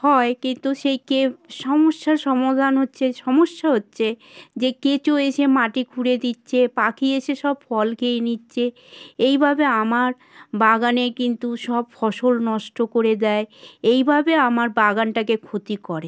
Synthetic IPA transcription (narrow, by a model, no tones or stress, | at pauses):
hɔekint̪uʃejkeʃɔmoʃːaɾʃɔmod̪ʱanɦotːɕʰeʃɔmoʃːaɦotːɕʰed͡ʑeket͡ɕoeʃʰemaʈikʰuɽed̪itːɕʰepakʰieʃʰeʃɔbfɔlkejnitːɕʰe | ejbʱabeamaɾ | baɡanekint̪uʃɔbfɔʃolnɔʃʈokoɾed̪ɛeejbʱabeamaɾbaɡanʈakekʰot̪ikɔɾe